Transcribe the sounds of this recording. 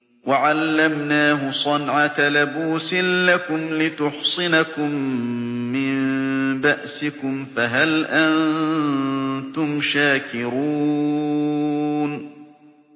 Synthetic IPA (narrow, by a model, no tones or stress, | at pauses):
waʕalːamnaːɦʊsˤɑnʕat̪alabuːsɪnlakʊmlɪt̪ʊħsˤɨnakʊmː | ɪnbaʔsɪkʊmfaɦalʔan | t̪ʊmʃaːkɪɾuː | n